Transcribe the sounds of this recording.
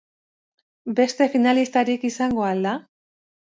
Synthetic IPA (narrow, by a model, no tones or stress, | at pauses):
be̞st̪e̞finalist̪aɾikisaŋɡo̞ald̪a